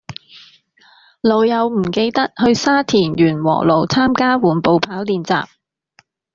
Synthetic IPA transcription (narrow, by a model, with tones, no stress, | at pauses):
lo˨˧wjɐ˨˧wm̩˨˩ke˧jt̪ɐ˥k̚hɵ˧ɥsaː˥t̪ʰiː˨˩njyː˨˩nwɔ̰ː˨˩lo˨wt͡sʰaː˥mkaː˥wuː˨˩npo˨˧wpʰaː˨˥wliː˨˧nt͡sa̰ː˨p̚